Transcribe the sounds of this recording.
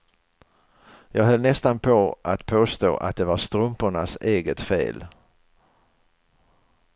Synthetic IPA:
jɑːɡɦœlnɛst̪anpʰɔʔat̪pʰoːst̪o̰ːʔa̰t̪̚d̪ɛvaɾst̪ɾɵmpʊɳaseːɡət̪fḛːl

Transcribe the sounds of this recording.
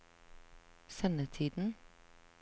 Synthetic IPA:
sɛnət̪ʰiːd̪n̩

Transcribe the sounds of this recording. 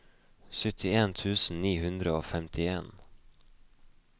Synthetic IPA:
sœt̪ʰɪeːnt̪ʰʉːsn̩niːhʉnd̪ɾəoːfɛmt̪ʰɪeːn

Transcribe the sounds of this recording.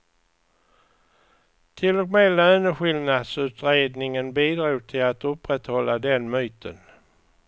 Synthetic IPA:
t̪ʰɪlːɔkmeːlœːnəɧɪlnad̪sʉ̟ːt̪ɾeːd̪nɪŋənbiːd̪ɾuːɡ̚t̪ʰɪlat̪ɵpːɾɛt̪hɔlːad̪ɛnmyːt̪ʰə̰n

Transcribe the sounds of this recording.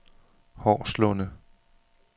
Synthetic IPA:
hɒ̰ːslɔnə

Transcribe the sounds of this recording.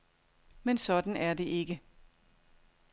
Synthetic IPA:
mensɒ̽d̥n̩æɐde̝ʔe̝ɡ̥ə

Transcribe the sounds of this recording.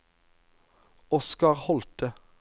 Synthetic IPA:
ɔskɑʁhɔlt̪ə

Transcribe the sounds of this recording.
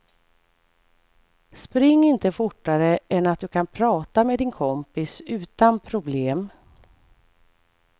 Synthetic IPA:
spɾɪŋːɪnt̪əfʊʈːaɾəʔɛnat̪̚d̪ɵkʰanpʰɾɑːt̪ameːd̪ɪnkʰɔmpɪsʉ̟ːt̪anpʰɾʊbleːm

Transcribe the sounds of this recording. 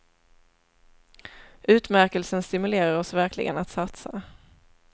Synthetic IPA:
ʔʉ̟ːt̪mæɾkəlsənst̪ɪmɵleːɾaɾɔsvæɾklɪ̰ɡə̰nat̪sat̪sa̰

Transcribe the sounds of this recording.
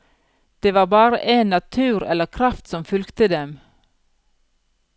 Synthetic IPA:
d̪̥eːʋɑːbɑːɾə̰ʔeːnːɑt̪ʰʉːɾɛ̰ləkʰɾɑft̪sɔmfʉlkt̪əd̪ɛm

